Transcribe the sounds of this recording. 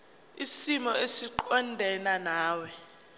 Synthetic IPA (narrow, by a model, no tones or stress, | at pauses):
isimɔesiǃɔndʱɛnanaːwɛ